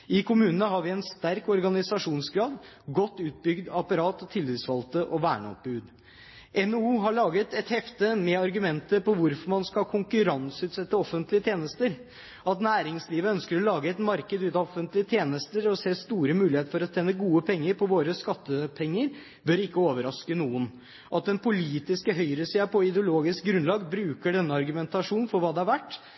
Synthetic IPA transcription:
ɪkʰʊmʉːnənəhɑɾʋɪɛnst̪æɾkɔɾɡɑnɪsɑʂuːnsɡɾɑːd̪ | ɡɔt̪ːʉːt̪̚bʏɡd̪ɑpɑɾɑːt̪ɔt̪ʰɪlːiːsfɑlt̪əʔɔʋæːɳə̰ɔ̰p̚bʉːd̪ | ʔɛnouːɦɑɭɑːɡət̪ɛt̪hɛft̪əmɛɑɾɡʉmɛnt̪əpɔʋʊɾfɔɾmɑnskɑlkʰʊŋkʉɾɑnsʉːt̪sɛt̪ːəɔfənt̪lɪət̪ʰjeːnəst̪əɾ | ɑt̪næːɾɪŋsliːʋəœnskəɾɔlɑːɡəɛt̪mɑɾkəd̪ʉːt̪ɑɔfənt̪lɪət̪ʰjeːnəst̪əɾɔseːst̪uːɾəmʉːlɪheːt̪fɔɾɔt̪ʰeːnːəɡuːəpʰɛŋːəɾpʰɔʋoːɾəskɑt̪ːəpʰɛŋːəɾ | bœɾɪkːəoːʋəɾɑskənuːən | ʔɑt̪̚d̪ɛnpʊliːt̪ɪskəɦœʏɾəsiːɑpʰɔɪd̪ɛʊloːɡɪsk̚ɡɾʉnlɑːɡbɾʉːkəɖɛnːəɑɾɡʉmɛnt̪ɑʂuːnn̩fɔɾʋɑːd̪ɛæɾʋæʈː

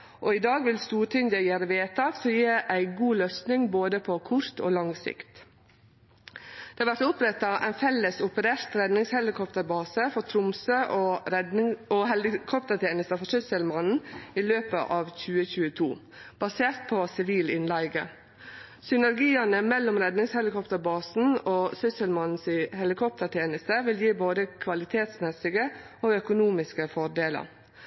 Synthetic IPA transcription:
ʔoɪd̪ɑːɡʋɪlst̪uːɾʈʰɪnd̪ɑjæːɾʋeːt̪ɑsɔjeːɾæɪɡuːløːsnɪŋboːd̪əpʰɔkʰʊɾt̪ʰo̰ːlɑŋsɪ̰kt̪ | d̪̥ɛːɑɾʋæɾʈ̪ʊpɾɛt̪ːɑʔæ̰ɪnfɛləsʊpəɾeːɾt̪ɾɛd̪nɪŋshɛlɪkʰɔpt̪əɾbɑːsəfɔt̪ʰɾʊmsøːʔoɾɛoɦhɛlɪkʰɔpt̪əɾt̪ʰjeːnəst̪ɑfɔʂʏsəlmɑnn̩iløːpə̰ʔɑːʋçʉːəçʉːət̪ʰuː | b̥ɑseːɾt̪̚pʰɔsɪʋiːlɪnlæɪɡə̰ | sʏnæɾɡiːɑnəmɛlːɔmɾɛd̪nɪŋshɛlɪkɔpt̪əɾbɑːsn̩oːsʏsəlmɑnn̩sɪhɛlɪkʰɔp̚t̪əɾʈ̪ʰjeːnəst̪əʋɪljiːboːd̪əkʰʋɑlɪt̪ʰeːt̪smɛsɪɡə | oːœkʊnuːmɪskəfɔɖ̪eːlə̰ɾ

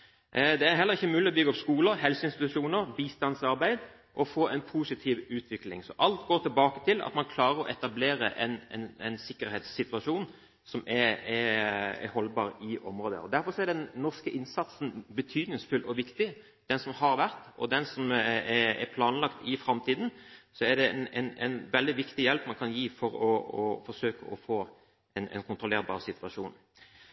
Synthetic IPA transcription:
d̪ɛæɾɦɛlːəʁɪçːəmʉːlɪɔbʏɡːəɔpskuːləɾɦɛlsəɪnst̪ɪt̪ʉʂuːnəɾbiːst̪ɑnsɑɾbæɪd̪ | ʔɔfoːɛɪnpʰuːsɪt̪ʰiːʋʉːt̪ʰʋɪklɪ̰ŋsɔʔɑlt̪ɡoːʁt̪ʰɪlbɑːkət̪ʰɪlɑ̰t̪mɑnkʰlɑːɾʁəɾɔʔɛt̪ɑbleːɾə̰ʔɛnɛ̰nɛnsɪkːəɾheːt̪sːɪt̪ʉɑʂuːn | sɔmɛɛɛ̰hɔlbɑːɾɪʔɔmʁoːd̪ə̰ɔ̰d̪æɾfɔʁsɔæɾdɖ̪ɛnːɔʁʂkəʔɪnsɑt̪sn̩bət̪ʰyːd̪nɪŋsfʉlʔɔʋɪkt̪ɪ | d̪̥ɛnsɔmhɑɾʋæʁt̪ɔ̰d̪ɛnsɔmɛɛ̰pʰlɑːnlɑkt̪ɪfɾɑmt̪ʰiːd̪n̩sɔɛɖ̪ɛnɛnɛnʋɛld̪ɪʋɪkt̪ɪjɛlpmɑnkʰɑnjiːfɔɾɔɔfɔʂøːkə̰ʔɔfoː | ɛnʔɛ̰nkʰʊnt̪ʁʊleːɾbɑ̰ːʁsɪt̪ʋɑʂuːn

